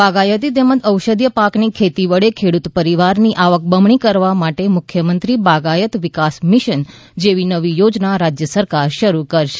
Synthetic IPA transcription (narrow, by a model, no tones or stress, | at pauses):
baɡajət̪̬it̪emət̪əwʃəd̪jəpaknikʰet̪iʋəɭekʰeɽut̪pəɾiʋaɾniʔaʋək̚bəmɳ̃ikəɾʋamaʈemʊkʰjəmənt̪ɾibaɡajət̪ʋɪkasmiʃən | d͡ʒeʋinəʋijod͡ʒnaɾad͡ʒjəsəɾkaɾʃəɾukəɾʃe̥